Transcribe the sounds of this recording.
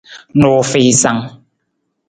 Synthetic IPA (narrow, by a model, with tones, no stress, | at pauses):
nɔ˨fe˨sa˦ŋ